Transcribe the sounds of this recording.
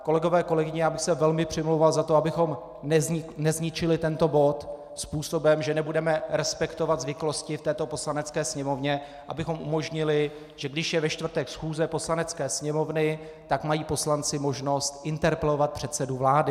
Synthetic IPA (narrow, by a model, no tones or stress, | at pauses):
ko̞lɛɡo̞vɛːko̞lɛɡɪɲɛjaːbɪxsɛvɛlmɪpr̝̥ɪmlowvalzat̪oabɪxo̞m | nnɛzɲɪt͡ʃɪlɪt̪ɛnt̪o̞bo̞t̪ | spuːso̞bɛmʒɛnɛbudɛmɛɾɛspɛkt̪o̞vad̪zvɪklo̞scɪft̪ɛːt̪o̞po̞slanɛt͡skɛːsɲɛmo̞vɲɛ | ʔa̰bɪxo̞mʔumo̞ʒɲɪlɪ | ʒ̥ɛɡdɪʃjɛvɛʃt̪vr̩t̪ɛksxuːzɛposlanɛt͡skɛːsɲɛmo̞vnɪ | t̪akmajiːpo̞slant͡sɪmo̞ʒno̞st̪ʔɪnt̪ɛɾpɛlo̞vat̪̚pr̥ɛt̪sɛduvlaːdɪ